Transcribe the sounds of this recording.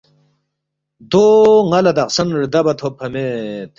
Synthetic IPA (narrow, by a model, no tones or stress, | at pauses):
d̪oŋɐlɐd̪ɐqsɐnɾid̪ɐbɐt̪ʰopʰɐmet̪